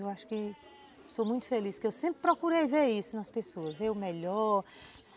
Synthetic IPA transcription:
ewaʃʊ̥kɪ | somũj̃t̪ʊ̥feliskɪewsẽmpɾɪpɾɔkuɾejveɾisʊnɐspesoɐzveɾʊmɛʎɔɾ | s

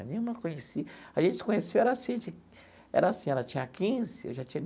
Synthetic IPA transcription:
nẽj̃ũmɐkõɲesiaʒẽnt͡ʃɪsɪ̥kõɲesewɛɾɐasĩd͡ʒɪ | ɛ̰ɾɐasĩɛlɐt͡ʃĩɲɐkĩzɪḛwʒat͡ʃĩɲɐn

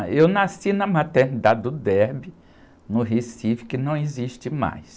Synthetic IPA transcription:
ewnasinɐmat̪eɾnid̪ad͡ʒɪd̪ʊd̪ɛɾbi | nʊɦesivɪ̥kɪnɐ̃w̃iziʃt͡ʃɪma̰js

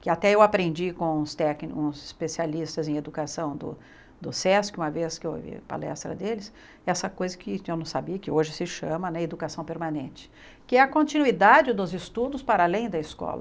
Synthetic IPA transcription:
kɪat̪ɛewapɾẽnd͡ʒikõw̃ũst̪ɛknũzɪspesialist̪ɐzẽj̃ed̪ukasɐ̃w̃d̪ʊ̰ | d̪ʊsɛsũmɐveskɪew̰vḭpa̰lɛ̰st̪ɾɐ̰d̪elɪs | ɛsɐkojzɐkɪewnɐ̃w̃sabiɐkɪoʒɪsɪʃɐ̃mɐnɛed̪ukasɐ̃w̃peɾmanẽt͡ʃɪ̥ | kɪɛɐkõnt͡ʃinuid̪ad͡ʒɪd̪ʊzɪst̪ud̪ʊspaɾalẽj̃d̪ɐɪskɔ̰lɐ̰

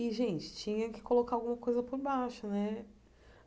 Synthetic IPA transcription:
iʒẽt͡ʃɪ̥t͡ʃĩɲɐ̃kɪ̥kolokaawɡũmɐkojzɐpoɾbaʃʊnɛ

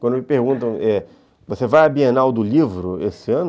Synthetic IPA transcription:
kwɐ̃nd̪ʊmɪpeɾɡũnt̪ɐ̃w̃ɛ | vosevajabienawd̪ʊlivɾʊesɪɐ̃nʊ

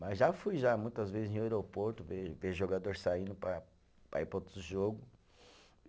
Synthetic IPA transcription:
mɐzʒafujʒamũj̃t̪ɐzvezɪzñeɾopoɾt̪ʊveveʒoɡad̪oɾsaĩnd̪ʊpɾɐ | pɾa̰ipɾot̪ʊd̪ʊʒoɡʊ

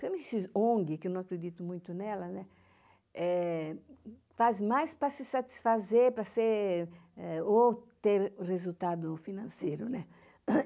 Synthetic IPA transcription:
pmẽsiõŋɡɪkɪewnɐ̃w̃akɾed̪it̪ʊmũj̃t̪ʊnɛlɐnɛ | ɛ | fazmajspɾɐsɪsat̪i̥sfazeɾpɾɐseɾ | ɛot̪eɾrezult̪ad̪ʊfinɐ̃sejɾʊnɛ

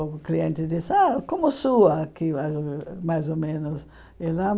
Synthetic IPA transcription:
kliẽnt̪ɪd̪isakõmʊsuɐkiazmajzomẽnʊs | ela

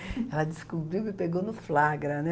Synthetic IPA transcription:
ɛlɐd̪ɪskubɾiwɪpeɡownʊflaɡɾɐnɛ

